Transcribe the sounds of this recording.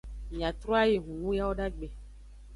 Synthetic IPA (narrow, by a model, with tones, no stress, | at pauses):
mĩ˨ã˨t̪ɾɔ˦a˦je˨ɦũ˨wũ˦ja˦wo˦ɖa˦ɡ͡be˨